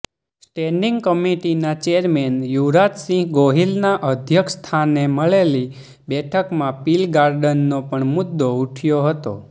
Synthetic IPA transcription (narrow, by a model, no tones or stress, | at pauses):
sʈɛ̃ɳɖiŋɡkəmiʈinat͡ʃeəɾmenjuʋɾat̪sĩɡoɦilnaʔəd̪ʱjəkʰst̪ʰaneməɭeli | bɛʈʰəkmãpilɡaɾɖənːopəɳmʊd̪ːouʈʰjoɦət̪o̰